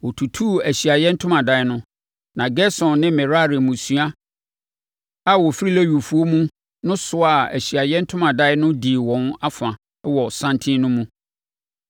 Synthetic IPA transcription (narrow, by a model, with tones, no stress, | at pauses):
wɔ˨tʰu˨tʰu˦æ˨ɕi˨a˨jɛ˦n̩˦tʰʊ̃˦mã˨da˨˦nʊ̃˦ | nã˨ɡɛ˦sɔ̃˨nːɪ̃˦mɛ̃˨ɾa˦˨ɾɪ˨mũ˨su˦a˦ | a˦wɔ˨fi˦ɾi˦læ˦ɥu˨fu˨o˦mũ˦ | nʊ̃˦sʊ˦a˨æ̰˨ɕi˨a˨jɛ˦n̩˦tʰʊ̃˦mã˨da˦ɪ˦nʊ̃˦di˨wɔ̃˨na˦fã˨˦ | wɔ˨sã˦ntʰĩ˦nʊ̃˦mũ˦